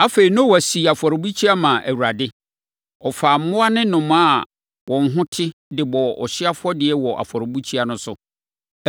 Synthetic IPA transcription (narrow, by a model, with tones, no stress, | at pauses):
a˦fe˨ɾi˨nʊ̃˦wæ˨si˨a˨fɔ˨ɾbu˦t͡ɕʰi˦a˦mã˨ʔæ̰˨wu˨ɾa˨dɪ˦ | ɔ˨faː˨m̩˦mʊ̃˦a˦nɪ̃˦nʊ̃˨mã˦˨ | wʔɔ̃˨ŋ̩˦ɦʊ̃˦tʰɪ˦dɪ˨bɔ˨ɔ̰˨ɕɪ˦a˦fʊ˦ɔ˦dɪ˨ɛ˦wɔ˨ʔa̰˨fɔ˨ɾbu˦t͡ɕʰi˦a˨nʊ̃˦sʊ˦